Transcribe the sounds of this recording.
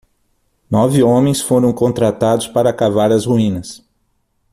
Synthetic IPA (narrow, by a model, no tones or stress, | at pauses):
nɔvɪõmẽj̃sfoɾɐ̃w̃kõnt̪ɾat̪ad̪ʊspaɾɐːkavaɾɐzhuĩnɐs